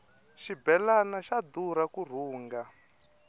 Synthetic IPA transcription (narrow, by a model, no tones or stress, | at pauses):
ʃibɛlanaʃad̪uɾakur̤uːŋɡa